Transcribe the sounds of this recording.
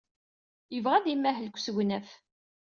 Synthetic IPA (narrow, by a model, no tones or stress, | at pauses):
jəvʁæðimːæɦəlkʷːsɡʷnæf